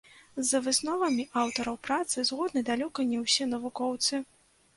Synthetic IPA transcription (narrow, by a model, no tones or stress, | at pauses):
zɐvɨsnɔvɐmʲiʔawt̪ɐɾɐwpɾat̪sɨzɣɔd̪nɐd̪alʲɔkɐnʲɛwsʲɛnɐvukɔwt̪sɨ